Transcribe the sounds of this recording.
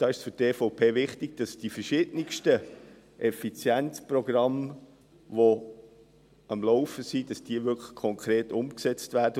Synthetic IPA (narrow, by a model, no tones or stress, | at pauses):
d̥ɑːɪʃsfʏteːfoʊpʰeːvɪχtɪɡ̥̚d̥ɑsd̥ifəʃɪdənɪkʃtə | ʔɛfit͡sjɛnt͡sprɔɡ̥rɑm | vo | ɑmlɔʊfəsid̥ɑsd̥iəvʏkʰlə̥χkʰɔŋkʰɾeːtʊmksɛt͡stvæːdə